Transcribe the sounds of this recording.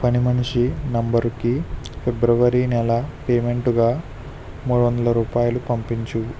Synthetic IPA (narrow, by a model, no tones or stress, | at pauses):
pɐnimɐnʂinɐmbɐɾukipʰebɾɐʋɐɾinɛlɐpeːme̞ɳʈuɡaː | muːɽuʋɐnd̪ɐlɐɾuːpaːjulupɐmpiɲt͡ʃu